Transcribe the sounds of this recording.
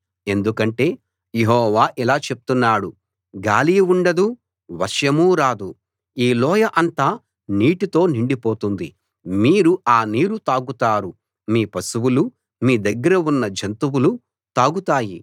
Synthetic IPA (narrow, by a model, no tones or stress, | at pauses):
e̞nd̪ukɐɳʈe̞ː | jeɦɔːʋaːʔilaːt͡ʃe̞pu̥t̪unːaːɽu | ɡaːlijuɳɖɐd̪u | ʋɐɾʂjɐmuːɾaːd̪u | iːlɔːjɐʔɐnt̪aː | niːʈit̪o̞ːniɳɖipo̞ːt̪und̪i | miːɾuʔaːniːɾut̪aːɡut̪aːɾu | miːpɐsuwulu | miːd̪ɐɡːɐɾɐunːɐd͡ʒɐnt̪uwulu | t̪aːɡut̪aːji